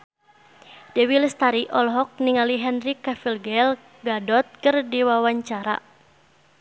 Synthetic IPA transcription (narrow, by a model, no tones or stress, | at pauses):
d̥ɛwilst̪aɾiʔɔlɦɔk̚niŋaliɦɛnrikafilɡɛl | ɡadɔt̪̚kɨrdiwawaɲt͡ʃaɾa̰